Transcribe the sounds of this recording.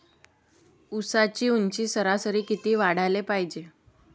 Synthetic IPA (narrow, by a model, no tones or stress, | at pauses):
usat͡ɕiːuɲt͡ɕiːsəɾasəɾiːkit̪iːʋaɽ̤alepaɦid͡ʑe